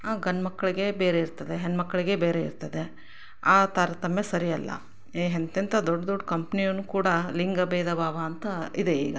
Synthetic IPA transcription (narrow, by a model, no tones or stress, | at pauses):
aːɡɐnːmɐkːɐɭiɡe̞beːɾeiɾt̪ɐd̪e̞ɦenmɐkːɐɭiɡe̞beːɾe̞ḭɾt̪ɐd̪e̞ | aːt̪aːɾɐt̪ɐmjesɐɾijɐlːɐ̰ | ɦent̪int̪ʰɐd̪ɔɖːd̪ɔɖːkɐmpnijɐnːukuːɽɐliŋɡɐbeːd̪ɐbʱaːʋaːnt̪ɐid̪e̞ḭːɡɐ